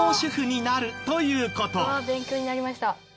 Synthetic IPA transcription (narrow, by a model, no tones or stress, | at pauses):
oːɕɨɸɯɲ̟inaɾɯ̟t̪o̞jɯ̟ːko̞t̪o̞abẽ̞ŋkʲo̞ːɲinaɾʲimaɕi̥t̪a